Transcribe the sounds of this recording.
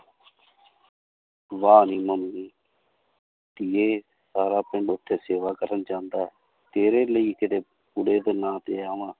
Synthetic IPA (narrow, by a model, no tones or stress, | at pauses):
ʋaːniːməmːiː | t̪ieː | saːɾaːpɪɳɖʊʈʰːeːseːʋaːkəɾənd͡ʒãːnd̪aːɦɛː | t̪eːɾeːləiːkɪt̪eː | pʊɽeːd̪enãːt̪eːaːʋãː